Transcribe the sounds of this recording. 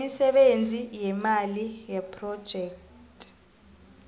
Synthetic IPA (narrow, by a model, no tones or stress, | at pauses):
isɛɓend͡zʱijɛmalijɛpʰʼrɔd̥ʒ̥ʱɛːktʼ